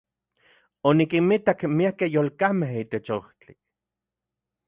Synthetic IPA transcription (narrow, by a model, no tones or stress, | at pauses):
onikimit̪akmiakehjoːlkameɦiːt̪et͡ʃoht͡ɬi